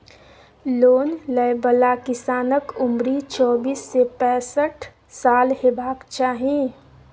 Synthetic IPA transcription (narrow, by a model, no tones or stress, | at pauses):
loːnləjbəlakɪsaːnəkʊmɾit͡ʃɔːbiːsːepɛ̃ːsəʈʰ | saːlheːbaːkt͡ʃaːɦĩ